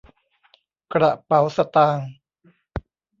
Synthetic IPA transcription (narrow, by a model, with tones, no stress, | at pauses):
kɾa˨˩pa˨˦wsa˧t̪aː˧ŋ